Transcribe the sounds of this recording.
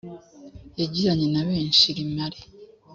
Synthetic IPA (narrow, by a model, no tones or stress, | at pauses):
eɟiɾaɲinaβeːnʃiɾimale